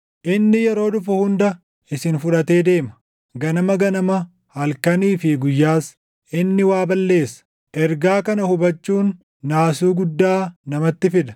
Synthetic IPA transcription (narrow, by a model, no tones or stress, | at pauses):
ʔɪnːɪjɛɾo̞ːd̪ʊfɐhʊnd̪ɐ | ɪsɪnfʊᶑɐt̪e̞ːd̪e̞ːmɐ̥ | ɡɐnɐmɐɡɐnɐmɐ | hɐlkɐniːfɪɡʊjːaːs | ʔɪnːɪwaːbɐlːe̞ːsɐ̥ | ʔɛɾɡaːkɐnɐhʊbɐt͡ʃːuːnː | aːsuːɡʊd̪ːaːnɐmɐt̪ːɪfɪd̪ɐ̥